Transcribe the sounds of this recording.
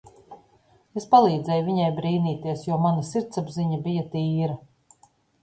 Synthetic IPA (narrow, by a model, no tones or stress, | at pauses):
espalˠiːd̪zɛjviɲɛjbɾiːniːt̪iɛsjuɔmanasiɾt̪sabziɲabijat̪iːɾɐ